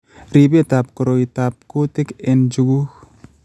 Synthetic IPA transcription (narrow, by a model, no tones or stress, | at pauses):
ɾibetap̚kɔɾoitap̚kotekend͡ʒuɡux